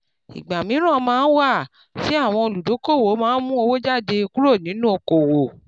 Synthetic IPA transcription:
ḭ˨ɡ͡ba˨mĩ˨˦ɾ̃ã˦˨mãː˨˦˧n̩˦wa˦˨ | fi˨˦a˦˨w̃ɔ̃˧o˧lu˨do˨˦ko˦˨wo˨˦mãː˦n̩˦mũ˦o˧wo˦d͡ʒa˦˨de˧ku˦ɾo˦˨nĩ˨˦nũ˦o˧ko˨wo˨

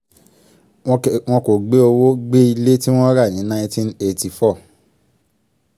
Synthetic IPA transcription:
w̃ɔ̃˧ko˨ɡ͡be˦o˧wo˦ɡ͡be˦i˧le˦ti˦w̃ɔ̃˦ɾa˦˨j̃ĩ˨˦nã˧˦ĩ˦˧˦tĩ˦ne˧˨ti˨fɔ˦˨

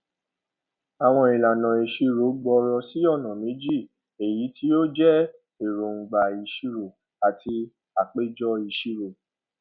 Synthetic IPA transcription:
a˨w̃ɔ̃˧i˨la˨nã˨i˨ʃi˧ɾo˨˦ɡ͡bɔ˧ɾɔ˧si˨˦ɔ˦˨nã˨mĩ˨˦d͡ʒi˦˨ | e˨ji˨˦ti˦o˦d͡ʒɛ˦ | e˨ɾo˨ŋ̩˨ɡ͡ba˨i˨˧˨ʃi˦ɾo˨ | a˨tʰi˧ | a˨k͡pe˦d͡ʒɔ˦i˧ʃi˧ɾo˨

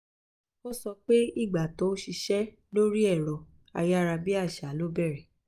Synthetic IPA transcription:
o˦sɔ˧k͡pe˦i˦˨ɡ͡ba˨tõ˨˦ʃi˧ʃɛ˦ | lo˦ɾi˦ɛ˦˨ɾɔ˨ | a̰˧ja˦˨ɾa˧bi˦a˦˨ʃa˨˦lo˦bɛ˦˨ɾɛ˨

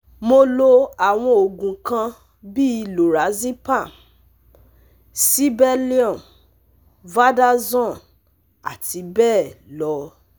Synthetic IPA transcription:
mo˧lo˧a˨w̃ɔ̃˧o˨ɡũ˨kã˧ | bi˦i˧lo˨ɾa˨˦zi˦pa˦˨ | si˦bɛ˦li˦ɔ̃˦˨m | va˦da˦zɔ̃˦˨n | a̰˨ti˧˦bɛː˦˨lɔ˨˦

